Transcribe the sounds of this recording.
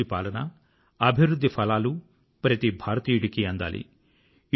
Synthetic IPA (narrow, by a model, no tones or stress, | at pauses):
ipaːlɐnɐ | ɐbʱiʋɾud̪ʱːipʰɐlaːlu | pɾɐt̪ibʱaːɾɐt̪iːjuɽikiɐnd̪a̰ːlḭ